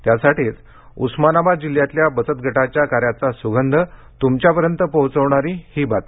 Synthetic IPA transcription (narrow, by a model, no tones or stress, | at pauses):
t̪jasaʈiːt͡s | ṵsmanabad̪̚d͡ʑiljat̪ljabət͡sət̪̚ɡʱəʈat͡ɕjakaɾjat͡sasuɡʱənd̪ʱə | t̪umt͡ɕjapəɾjənt̪əpəɦt͡səʋɳ̃aɾiːhiːbat̪